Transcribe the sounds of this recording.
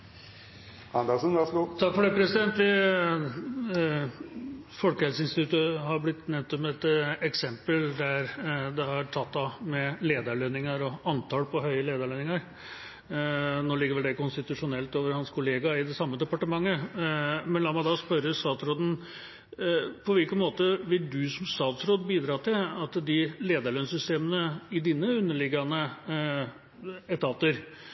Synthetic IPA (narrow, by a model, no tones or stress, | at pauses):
ænd̪əsənʋæsəɡut̪ʰɑkːfɔɖɛpʰɾɛsɪd̪ɛnt̪ʋɪ | fɔlkəhɛlsəɪnst̪ɪt̪ʰʉt̪əɦɑɾblɪt̪ːnɛt̪ːɔmɛt̪ɛksɛmpəld̪æɾd̪ɛhɑɾʈʰɑt̪ːɑmɛleːd̪əɭønɪŋɑɾɔɑnt̪ʰɑlpɔɦœʏəleːd̪ɑɭɛnɪŋɑɾ | noːlɪɡːəɾʋɛld̪ɛkʊnst̪ɪt̪ʉʂʊnɛlt̪oːʋəɾhɑnskʰʊleːɡɑɪd̪ɛsɑmːəd̪ɛpɑʈəmɑŋːə | mɛnlɑːmɑd̪ɑspœɾəst̪ɑːt̪sɾoːd̪n̩ | pʰɔʋɪlkənmoːt̪əʋɪld̪ʉsɔmst̪ɑːt̪sɾoːd̪biːd̪ɾɑːt̪ʰɪlɑt̪d̪ɪleːd̪ɑɭœnsʏst̪eːmənəɪd̪iːnːəʉnːəɭɪɡːɑnə | ɛt̪ʰɑːt̪əɾ